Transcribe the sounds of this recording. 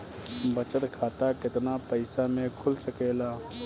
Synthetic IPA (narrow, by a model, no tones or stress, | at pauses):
bət͡ʃət̪kʰaːt̪akɪt̪napəɪsamẽkʰʊlsəkeːlaː